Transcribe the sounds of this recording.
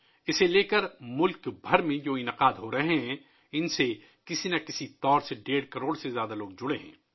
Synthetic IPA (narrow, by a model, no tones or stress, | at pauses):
ɪseleːkəɾmʊlkbʱɐɾmẽd͡ʒoːɪnɪqaːd̪ɦoɾɐɦeɦɛ̃ | ɪnse | kɪsinɐkɪsit̪ɔːɾseɖeːɽkɐɾoːɽsezjaːd̪aloːɡ̚d͡ʒʊɽeɦɛ̰̃ː